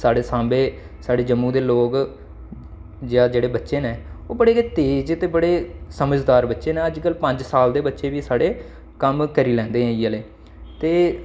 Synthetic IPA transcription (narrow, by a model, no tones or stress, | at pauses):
saːɽeːsãːmbeː | saːɽeːd͡ʒəmːũːd̪eːloːk | d͡ʒãːd͡ʒeːɽeːbətːʃeːnẽːoːbəɽeːt̪eːd͡ʒt̪eːbəɽeːsəməd͡ʒd̪aːɾbətːʃeːnẽːəd͡ʒkəlpəɲd͡ʒsaːld̪eːbətːʃeːʋiːsaːɽeː | kəmkəɾiːlɛ̃ːnd̪eːɦɛ̃ːiːəleː | t̪eː